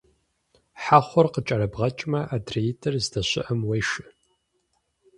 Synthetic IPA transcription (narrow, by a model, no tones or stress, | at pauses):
ħaχʷɔrqət͡ʃʼɐɾɐbʁɐt͡ʃʼmɐʔadrejitʰɐrzdɐɕɪ̰ʔɐmwejʃɨ